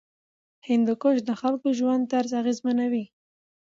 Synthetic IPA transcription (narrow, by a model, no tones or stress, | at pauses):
hɪnd̪ʊkoʃd̪əxalkoʒwand̪aɾzaɣezmanawi